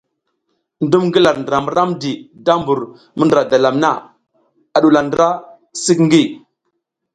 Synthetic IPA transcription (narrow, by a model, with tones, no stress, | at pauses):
ndu˦mɡə˦la˨ɾndə˨ɾa˨mə˦ɾa˦mdi˨da˦mbu˨ɾ | mə˦nda˨da˨la˨mna˦ | a˨ɗu˨la˨ndə˦ɾa˦ | si˦kŋ˦ɡi˦˨